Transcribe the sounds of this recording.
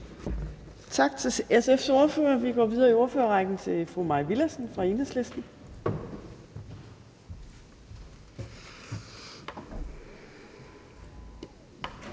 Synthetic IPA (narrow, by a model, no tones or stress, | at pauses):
t͡sʰɑ̈ɡ̥t͡sʰe̝lesefso̝ɐfø̰ːɐʋiɡ̥ɒ̰ːʋið̞ˠɐio̝ɐføːɐʁɑ̈ɡ̥n̩t͡sʰe̝fʁumɑ̈ɪʋilæsn̩fʁɑ̈enəsle̝sd̥n̩